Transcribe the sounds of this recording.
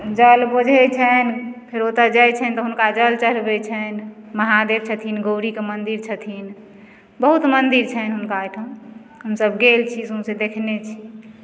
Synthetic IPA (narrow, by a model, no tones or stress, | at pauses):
d͡ʒəlbod͡ʒʱɛt͡ʃʰɛnpʰiɾot̪əd͡ʒajt͡ʃʰɛnt̪ɔɦunkad͡ʒəlt͡ʃəlbet͡ʃʰənməɦad̪eb̚t͡ʃʰət̪ʰinɡoʊɾikemənd̪iɾt͡ʃʰət̪ʰin | bəɦut̪mənd̪iɾt͡ʃʰəɦnɦunkaʈʰə̃ | ɦəmsəbɡelt͡ʃʰisũsed̪ekʰnet͡ʃʰi